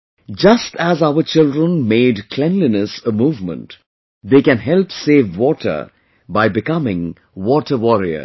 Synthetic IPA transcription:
d͡ʒʌstæzaʊət͡ʃɪldɾə̃nmeːɖkʰlɛ̃nlinəsəmuːvmə̰̃nt | d̪eːkæ̃nɦɛlpseːʋwɔːʈʰə̰˞ | baɪbɪkʌmɪ̃ŋ | wɔːʈʰəwɔɾiə̰

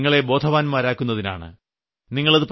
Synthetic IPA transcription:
ŋːɐɭe̞bo̞ːd̪ʰʱɐʋaːnmaːɾaːkːunːɐðina̰ːɳɨ̰ | niŋːɐɭɐðɨp

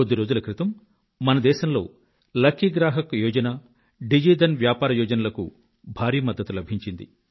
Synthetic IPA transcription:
od̪iɾo̞ːd͡ʒulɐkɾit̪ɐmː | ɐnɐd̪ɛːʃɐmlo̞ː | lɐkʰːiɡɾaːɦɐkjoːd͡ʒɐna | ɖid͡ʒiːd̪ɐnʋjaːpaːɾɐjɔːd͡ʒɐnɐlɐkṵ | bʱaːɾiːmɐd̪ːɐt̪ulɐbʱiɲt͡ʃind̪ḭ

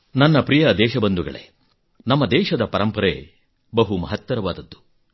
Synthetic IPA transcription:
nɐnːɐpɾijɐd̪ɛːʃɐbɐnd̪uɡɐ̰ɭḛ | nɐmːɐd̪ɛːʃɐd̪ɐpɐɾɐmpɐɾḛː | bɐɦumɐɦɐt̪wɐɾɐʋaːd̪ɐd̪ːu̥

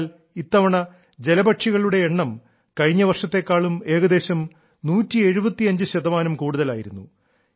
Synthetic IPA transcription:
l | it̪ːɐʋɐɳɐ | d͡ʑe̞lɐbɐʈʂiɣɐɭuɽe̞ːɳːɐm | kɐɻiɲːɐʋɐrʂɐt̪ːe̞kːaːɭume̞ːɣɐd̪e̞ːɕɐm | nuːtːie̞ɻubɐt̪ːiɐɲd͡ʑɨɕɐðɐmaːnɐmkuːɽuðɐlaːjiɾunːṵ

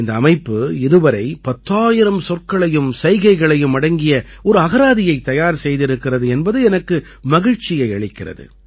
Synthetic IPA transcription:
ɪnd̪ɐːmɐɪpːɯɪðɯʋɐɾɐɪpɐt̪ːaːjɪɾɐmsɔrkɐɭɐjɯmsɐɪɣɐɪɣɐɭɐjɯmɐɽɐŋɡɪjɐɔɾɯɐɣɐɾaːðɪjɐɪt̪ːɐjaːɾsɛjðɪɾɯkːɪrɐðɯɛnbɐðɯɛnɐkːɯ | mɐɣɪɻt͡ʃːɪjɐɪɐɭɪkːɪrɐ̰ðɯ̰

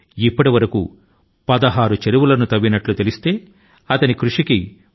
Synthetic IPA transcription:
ipːɐʈiʋɐɾɐkṵ | pɐd̪ɐɦaːɾut͡ʃeɾuʋulɐnut̪ɐbːinɐʈlut̪e̞list̪e̞ː | ɐt̪ɐnikɾuʂiki

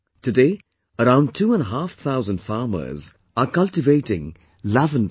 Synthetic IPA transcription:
tɨde | əɾãʊ̃n̚tʰuːə̃nəɦaːfθʰaʊzə̃nd̥faːmə̰z | əkʌlˠtɪveɪtɪ̃ŋ | lavə̃n

